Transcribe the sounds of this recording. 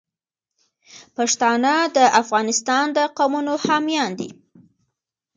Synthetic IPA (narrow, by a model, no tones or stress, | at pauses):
pɑʂt̪ɑnəd̪əʔafɣɑnɪst̪ɑnd̪əqawmunohamijɑnd̪ḭ